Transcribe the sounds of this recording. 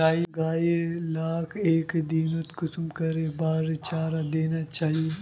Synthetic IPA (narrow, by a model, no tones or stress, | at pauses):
aːiɡaːjelaːkʰeːkd̪iːnot̪kʊsmkɐɾebaːɾt͡ʃaːɾad̪eːnat͡ʃaːɦie